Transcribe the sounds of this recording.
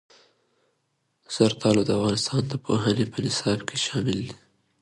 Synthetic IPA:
z̥aɾt̪ʰɑlod̪əafɣɑnɪst̪ɑnd̪əpʰoɦanepənɪsɑbkʰeʃɑmɪld̪i̥

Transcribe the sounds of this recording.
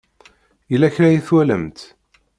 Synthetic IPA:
jəlːæçɾæjiθwæləmt̪

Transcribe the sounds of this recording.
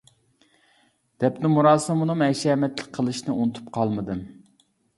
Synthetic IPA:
d̪̥ɛpnɪmuɾɑːsɨmunɨmɛʃɛːmɛt̪lɪk̚ʲqʰəlˠɨʃnɨunɨt̪ʰu̥pqʰɑlˠmɨd̪ɨm

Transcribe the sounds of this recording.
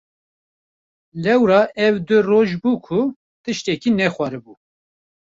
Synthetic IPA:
lɛwɾɑːʔɛwd̪ʊroːʒbuːkʰʊ | t̪ɨʃt̪ɛkiːnɛxwɑːɾɨbuː

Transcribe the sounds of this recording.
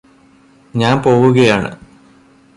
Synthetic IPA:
ɲaːnpo̞ːwuɣɐjaːɳɨ̰

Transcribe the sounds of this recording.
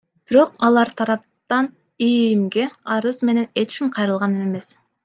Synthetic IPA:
b̥iɾo̞qɑlˠɑɾt̪ʰɑɾɑp̚t̪ɑn | emɡeɑɾɯzme̞ne̞ne̞t͡ʃkʲimqʰɑjɾɯlˠʁɑnɯeme̞s

